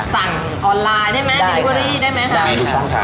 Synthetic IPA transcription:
sa˨˩ŋ | ʔɔː˧nlaː˧jdaː˥˩jma˦˥˧wa˧ɾiː˥˩daː˥˩jma˦˥jkʰa˦˥˩

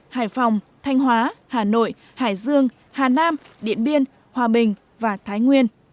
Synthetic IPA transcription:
ha̰ː˧˩jfa˨˩wŋ͡m | t̪ʰa˧jŋ̟ɦwaː˨˦haː˨˩no̰˧˨j | haː˧˩jzɨ˧əŋ | haː˨˩naː˧m | ɗḭ˧˨ənɓi˧ən | hwaː˨˩ɓï˨˩ŋ̟ | vaː˨˩t̪ʰaː˨˦jŋwi˧ən

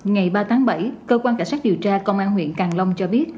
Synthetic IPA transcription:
ŋa˨˩jɓaː˧t̪ʰaː˨˦ŋɓə˧˩jkəː˧kwaː˧nkaː˧˩nsa˦˥k̚ɗi˨˩əwt͡ɕaː˧kə˧wŋ͡mʔaː˧nhwḭ˧˨ənkaː˨˩ŋlə˧wŋ͡mt͡ɕɔ˧ɓi˦˥ət̚

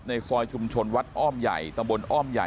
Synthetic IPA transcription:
na˧jsɔː˧jt͡ɕʰu˧mt͡ɕʰo˧nwa˦˥t̪̚ʔɔː˥˩mja̰˨˩jt̪a˧mbo˧nʔɔː˥˩mja̰˨˩

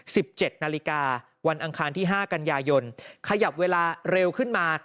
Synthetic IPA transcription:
si˨˩p̚t͡ɕe˨˩t̪̚naː˧li˦˥kaː˧ | wa˧nʔa˧ŋkʰaː˧nt̪ʰiː˥˩ɦaː˥˩ka˧njaː˧jo˧nkʰa˧ja˨˩p̚weː˧laː˧ɾe˧wkʰɯ˥˩nmaː˧

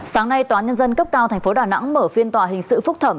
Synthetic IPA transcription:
saː˨˦ŋna˧jt̪waː˨˦nɲə˧nzə˧nkə˦˥p̚kaː˧wt̪ʰɛ˨˩jŋ̟fo˨˦ɗaː˨˩na̰˧˥ŋməː˧˩fi˧ənt̪waː˨˩ɦï˨˩ŋ̟sɨ̰˧˨fʊ˦˥k͡p̚t̪ʰə˧˩m

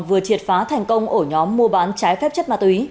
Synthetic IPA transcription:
vɨ˨˩ət͡ɕi˨˩ət̚faː˨˦t̪ʰɛ˨˩jŋ̟kə˧wŋ͡mʔo˧˩ɲɔ˨˦mːu˧əɓaː˨˦nt͡ɕaː˨˦jfɛ˦˥p̚t͡ɕə˦˥t̚maː˧˩t̪wi˨˦

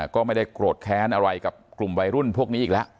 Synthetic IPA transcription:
kɔː˥˩ma˥˩jda˥˩jkɾo˨˩t̪̚kʰɛː˦˥nʔa˧ɾa˧jka˨˩p̚klu˨˩mwa˧jɾu˥˩npʰu˥˩ək̚ni˦˥iː˨˩lɛ˦˥ʔ

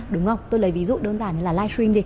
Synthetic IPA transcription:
ɗʊ˨˦ŋ͡mŋə˧˩wt̪o˧jləː˨˦jvi˨˦zṵ˧˨ɗəː˧nzaː˨˩ni˧˦laː˨˩laː˧jswi˧mt̪i˧˩

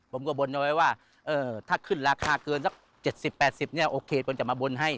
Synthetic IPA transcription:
pʰo˩˦mkɔ˧˩bo˧nʔwa˧jwaː˥˩ | ʔɤː˧t̪ʰaː˧˥˩kʰɯ˧˥˩nɾaː˧kʰaː˧kɤː˧nsa˧˥˩k̚ | t͡ɕe˨˩t̪̚si˨˩pːɛː˨˩t̪̚si˨˩p̚nɛː˥˩˨ʔoː˧kʰeː˧pʰo˨˧˦nt͡ɕa˨˩maː˧bo˧nɦa˧˥˩j

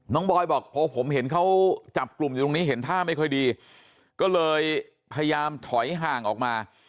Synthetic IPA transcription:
nɔː˦˥ŋbɔː˧jbɔː˨˩k̚pʰɔː˧pʰo˩˦mɦe˩˦nkʰa˦˥wt͡ɕa˨˩p̚klu˨˩m˨˧o˧ŋniː˦˥ɦe˩˦nt̪ʰaː˥˩ma˥˩jkʰɔ˥˩jdiː˧ | kɔː˥˩lɤː˧j | pʰa˧ja˧jaː˧mt̪ʰɔ˩˦jɦaː˨˩ŋʔɔː˨˩k̚maː˧

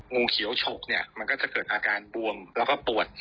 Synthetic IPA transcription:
ŋuː˧kʰi˨˩˦wt͡ɕʰo˨˩k̚ni˥˩ɐma˧nkɔː˥˩t͡ɕa˨˩kɤː˨˩t̪̚ʔaː˧kaː˧nbu˧əŋlɛː˦˥wkɔː˥˩pu˨˩ət̪̚

